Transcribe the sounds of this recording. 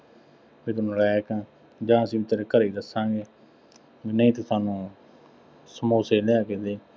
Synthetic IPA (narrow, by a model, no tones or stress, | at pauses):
ʋit̪ʊnːlɛːkãː | d͡ʒãːəsĩːʋɪt̪ːəɾkəɾiːd̪əsãːɡeː | ʋiːnəĩːt̪ɪsaːnũː | səmoːseːlɛːked̪eː